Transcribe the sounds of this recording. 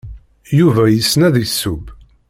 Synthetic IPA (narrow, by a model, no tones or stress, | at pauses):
juvæjəsːnæðisːub